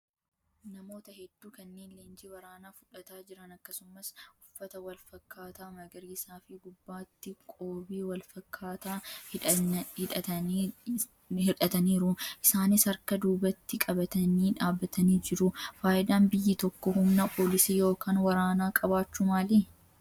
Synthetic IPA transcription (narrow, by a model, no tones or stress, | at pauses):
nɐmo̞ːt̪ɐhɛd̪ːuːkɐnːeːnleːnd͡ʒiːwɐɾaːnaːfʊᶑɐt̪aːd͡ʒɪɾɐnɐkːɐsʊmɐsʔʊfːɐt̪ɐwɐlfɐkʰːaːt̪aːmɐɡɐɾiːsaːfɪɡʊbːaːt̪ːɪkʼoːbiːwɐlfɐkʰːaːt̪aː | hɪᶑɐɐ | hɪᶑɐt̪ɐniːɾʊʔɪsaːnɪsɐɾkɐd̪uːbɐt̪ːɪkʼɐbɐt̪ɐniːᶑaːbːɐt̪ɐniːd͡ʒɪɾʊfaːʔɪd̪aːnbɪjːɪt̪ɔkːɔhʊmnɐpʰo̞ːlɪsiːjo̞ːkaːnwɐɾaːnaːkʼɐbaːt͡ʃːumaːliː